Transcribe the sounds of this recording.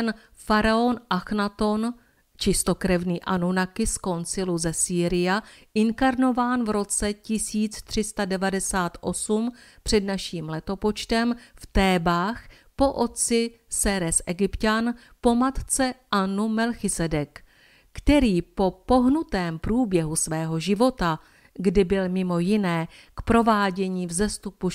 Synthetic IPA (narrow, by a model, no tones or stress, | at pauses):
n | faɾao̞nʔaxnat̪o̞n | t͡ʃɪst̪o̞kɾɛvniːʔanunakɪsko̞nt͡sɪluzɛsiːɾɪjaʔɪŋkaɾno̞vaːnvɾo̞t͡sɛcɪsiːt͡st̪r̝̥ɪst̪adɛvadɛsaːt̪ʔo̞sumpr̝̥ɛdnaʃiːmlɛt̪o̞po̞t͡ʃt̪ɛmft̪ɛːbaːx | po̞ʔo̞t̪̚t͡sɪ | sɛɾɛsʔɛɡɪpcanpo̞mat̪t͡sɛʔanumɛlxɪsɛdɛk | kt̪ɛɾiːpo̞po̞ɦnut̪ɛːmpɾuːbjɛɦusvɛːɦo̞ʒɪvo̞t̪a | ɡdɪbɪlmɪmo̞jɪnɛː | kpɾo̞vaːɟɛɲiːvzɛst̪upu